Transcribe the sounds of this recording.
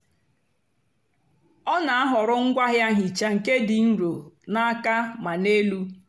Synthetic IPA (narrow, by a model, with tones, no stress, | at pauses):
ɔ˦na˨a˦ɦʊ˨ɾʊ˦ŋ̩˦ɡʷa˦ɦja˦ɲi˨t͡ʃa˦ŋ̩˨ke˦dɪ˨n̩˦ɾo˨na˦a˦ka˦ma˨ne˦lu˦